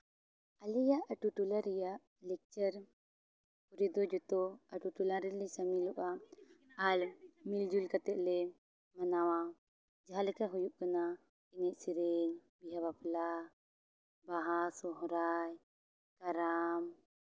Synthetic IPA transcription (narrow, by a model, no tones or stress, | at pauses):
alijaʔaʈuʈulaɾijaʔ | lɛk̚t͡ʃəɾ | puɾid̪ɔd͡ʒɔt̪ɔaʈuʈulaɾɛːɛsamiluʔaː | lmild͡ʒulkat̪ɛʔ̪lɛ | manawa | d͡ʒaɦalɛkaɦujuʔkana | inɛcsiɾɛŋbiɦaβapla | baɦasɔɦɾaj | kaɾam